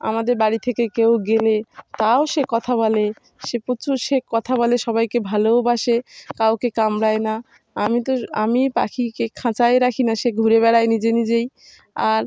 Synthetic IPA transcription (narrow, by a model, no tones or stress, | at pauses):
a̰mad̪eɾbaɽit̪ʰekekewɡelet̪aoʃekɔt̪ʰaβɔle | ʃepot͡ɕʰuʃekɔt̪ʰaβɔleʃɔβajkebʱalobaʃekawkekamɾaena | amit̪oamipa̰kʰikekʰãt͡ɕaeɾakʰinaʃeɡʱuɾeβɛɽajnid͡ʑenid͡ʑej | aɾ